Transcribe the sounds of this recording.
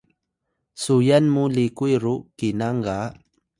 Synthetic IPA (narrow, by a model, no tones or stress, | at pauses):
sujanmulikuiɾukinaŋɡa